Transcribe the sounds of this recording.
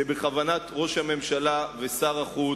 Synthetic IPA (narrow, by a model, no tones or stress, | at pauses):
ebeχavanat̪ʁo̞ʃhame̞mʃalave̞saʁaχu